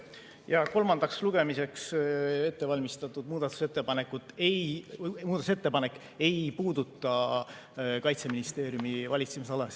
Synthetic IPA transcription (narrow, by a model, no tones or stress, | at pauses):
jɑko̞lmɑnd̪̥ɑksluɡ̥e̞mise̞kse̞t̪ːe̞vɑlʲmist̪ɑt̪ːˑud̪̥̚muːd̪̥ɑt̪ːˑu̥se̞t̪ːˑe̞pɑne̞kːˑut̪ːˑejmuːd̪ɑt̪uset̪ːe̞pɑne̞kː | e̞jpuːd̪̥ut̪ːˑɑ | kɑjt̪se̞minist̪e̞ːɾjumivɑlʲit̪semisɑlɑsi